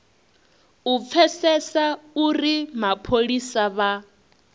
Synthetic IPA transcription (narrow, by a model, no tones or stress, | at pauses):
up̪fʰɛsɛsaurimapʰoɺisaβa